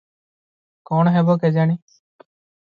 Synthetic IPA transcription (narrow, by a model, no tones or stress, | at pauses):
kɔːɳɦɛːboːkɛːd͡ʒaːɳiː